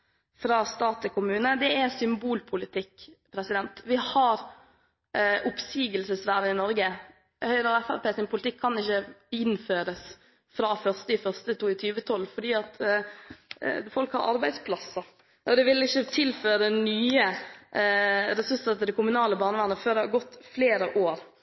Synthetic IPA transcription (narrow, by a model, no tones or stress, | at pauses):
fɾɑːst̪ɑːt̪ʰɪkʰʊmʉːnəd̪ɛæsʏmbuːlpʰʊlɪt̪ʰɪkːpʰɾɛsɪd̪ɛnt̪ʋɪhɑɾ | ʊpsiːɡəlsəsʋæːɾənɪnɔɾɡə | hœʏɾəɛfæɾpeːsɪnpʰʊlɪt̪ɪkʰːɑnɪçːəɪnføːɾəs | fɾɑːfœʁst̪əɪfœʁst̪ət̪uːɪt̪ʰyːʋət̪ʰɔlːfɔɖiːɑt̪ | fɔlkhɑɾʔɑ̰ɾbæɪspʰlɑsːə | ʔɔd̪ɛʋɪlːɪçːət̪ʰɪlføːɾɾɛnyːə | ɾɛsʉsət̪əd̪ɛkʰʊmʉnɑːləbɑːɾnəʋæːʁnəføːd̪ɛhɑɾɡɔt̪ːfleːɾəʔoːɾ